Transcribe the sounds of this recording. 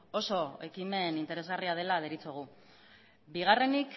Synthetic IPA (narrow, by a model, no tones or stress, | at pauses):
o̞so̞e̞kime̞nint̪e̞ɾe̞zɣariað̞e̞lað̞eɾit͡soɣ̞u | biɣ̞are̞nik